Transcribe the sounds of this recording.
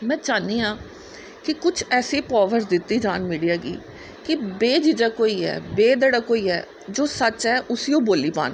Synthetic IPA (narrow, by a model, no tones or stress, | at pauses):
mɛ̃ːt͡ʃaːniːãː | kɪkʊt͡ʃʰɛːsiːpɔːʋəɾsd̪ɪt̪ːiːd͡ʒaːnmiːɽijaːɡḭː | kɪbeːd͡ʒɪd͡ʒaːkoːiːɛ̰ːbeːd̪əɽaːkoːiːɛː | d͡ʒoːsət͡ʃɦɛːʔʊsiːõːboːliːpa̰ːn